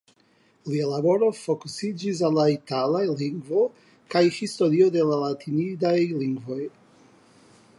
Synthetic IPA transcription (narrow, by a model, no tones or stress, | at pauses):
lialabo̞ɾo̞fo̞kusid͡ʒis̬alːaitalajliŋɡvo | kajhisto̞ɾiode̞lalatʰinidajliŋɡvo̞j